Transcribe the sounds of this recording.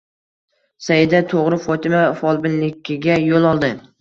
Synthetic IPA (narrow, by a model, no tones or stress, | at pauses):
sajɪd̪at̪ʰoʁɾɪfɒt̪ʰɪmafɒlˠbɪnlɪkʲʰːɪɡʲajolˠɒlˠd̪ɪ